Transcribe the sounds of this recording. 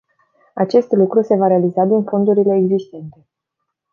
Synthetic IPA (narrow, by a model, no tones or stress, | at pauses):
at͡ʃe̞st̪lukɾuse̞vaɾe̞alizad̪info̞nd̪uɾile̞ːɡzist̪e̞nt̪e̞